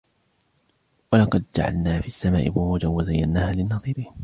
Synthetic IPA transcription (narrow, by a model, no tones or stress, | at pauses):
walɑqɑd̪̚d͡ʒa̰ʕa̰lnaːfiʔasːamaːʔɪ̰bʊhuːd͡ʒawazajːanːaːhaːlɪnːɑðˤiːɾiː